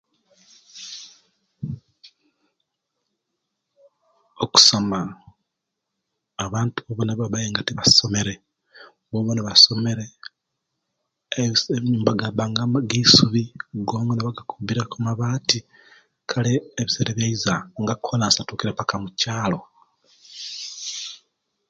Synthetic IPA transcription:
oku̥soma | βaːntuβoβoneβaβajeːŋɡatiβaso̞me̞ɾe̞ | βoβoneβaso̞me̞ɾe̞ | βiɲuːmbaɡaβaːŋɡaɡisuβiɡoːŋɡoneβaɡakuβiɾekumaβaːti | kʰaleːβiseɾeβjaizaŋɡakʰolansatuːkiɾepakamucaːlo̞

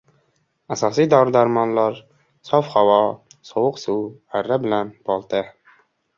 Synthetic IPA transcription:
æsɑːsid̪awɾɪd̪æɾmɑnlˠɑɾ | sɑfhɑwɑsowʊqsuæɾːabɪlænbɑlˠt̪ɨ

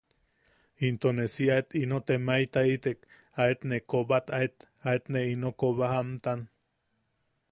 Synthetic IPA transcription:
int̪onesiaet̪inot̪emait̪ait̪ek | aet̪nekobat̪aet̪ | aet̪neinokoβahamt̪an

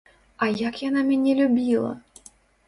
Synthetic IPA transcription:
ɐjakjanamʲɛnʲɛlʲubʲilˠɐ̰

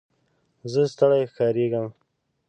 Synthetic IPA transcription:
zəst̪əɽajxkɑɾeɡəm

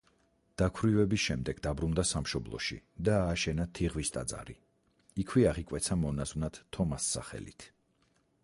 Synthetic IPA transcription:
d̪̥akʰwɾivɛbisʃɛmd̪ɛɡ̥d̪abɾund̪asamʃɔblˠɔ̰ʃḭd̪aːʃɛnat̪ʰiʁvist̪ʼa̰d̪zʼa̰ɾi | ikʰwiaʁikʼwɛt̪sʰamɔnazwnat̪ʰːɔmasːa̰χɛ̰lḭt̪ʰ

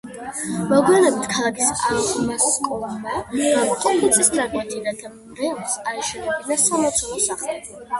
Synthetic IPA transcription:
mɔɡianɛbit̪ʰkʰalˠakʰisa̰t̪imaskʼɔlamaamqʼɔɛt̪sʼist̪aɾmɛt̪ʼiɾad̪ʰam | ɾɛlsaɾɛʃɛnɛbinasamɔt̪sʰɔlˠɔsaχlˠɛ

